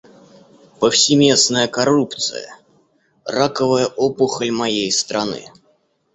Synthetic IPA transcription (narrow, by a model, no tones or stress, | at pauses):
pəfsʲɪmʲe̞snəjəkɐrupt̪sɨ̰jə̰ | rakəvəjəʔopʊxəlʲmɐjejst̪ɾɐnɨ̰